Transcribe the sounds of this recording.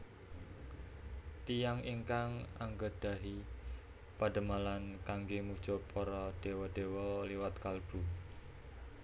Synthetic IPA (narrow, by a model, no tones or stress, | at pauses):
t̪ijaŋiŋkaŋa̰ŋɡəɖ̥a̤ɦi | paɖ̥ə̤malankaŋɡemud̥ʒ̥ɔ̤pʰɔɾɔɖ̥e̤wɔd̥e̤wɔliwat̪kalb̥ṳ